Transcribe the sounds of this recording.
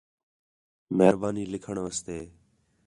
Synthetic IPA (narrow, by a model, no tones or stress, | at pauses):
məɦɾbaːniːlɪkʰəɳʋəːst̪eː